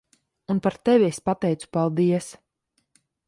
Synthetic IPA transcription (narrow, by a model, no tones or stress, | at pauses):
unpaɾt̪ɛviespat̪ɛjt̪su̥palˠd̪iɛs